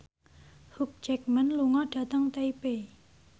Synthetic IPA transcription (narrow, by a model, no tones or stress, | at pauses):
huk̚d͡ʒɛk̚mənluŋɔɖ̥ä̤t̪əŋt̪eipe